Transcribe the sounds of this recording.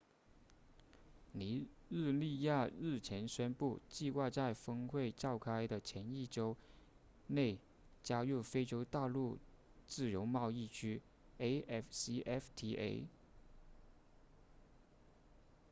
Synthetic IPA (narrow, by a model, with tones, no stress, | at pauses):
li˧˥ɻ̩˥˧li˥˧ja˥˧ɻɻ̩˥˩t͡ɕʰjɛ˧˥nɕɛ˥npu˥˧t͡ɕi˥˧xwa˥˧t͡sa˥˩ɪfɤ˥ŋxwe˥˩ɪʈ͡ʂɑ˥˩ʊkʰa˥ɪd̪ə˨t͡ɕʰjɛ˧˥ni˥˩ʈ͡ʂo˥ʊ | ne˥˩ɪ | t͡ɕja˥ju˥˩fe˥ɪʈ͡ʂjo˥ʊt̪a˥˧lu˥˩ | t͡sɹ̩˥˩jo˧˥ʊmɑ˥˧ʊi˥˩t͡ɕʰy˥ | e˥ɪɛ˥˩fsi˥ɛ˥ft̪ʰi˧˥ʔḛ˥ɪ